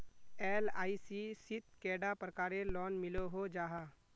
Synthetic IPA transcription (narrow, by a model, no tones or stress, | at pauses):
eːlaːisisɪt̪̚kɛːɖapɾəkaːɾelɔːnmɪloɦod͡ʒaːɦa